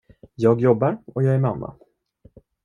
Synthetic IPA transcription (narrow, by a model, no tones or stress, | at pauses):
jɑːɡjɔbːaɾɔjɑːɡæɾmamːa̰